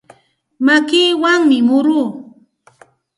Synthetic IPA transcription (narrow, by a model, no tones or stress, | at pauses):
makiːwaŋmɪmʊɾuː